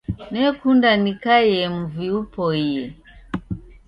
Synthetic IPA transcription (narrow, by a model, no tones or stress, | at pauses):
nɛkundanikajɛmuviupɔijɛ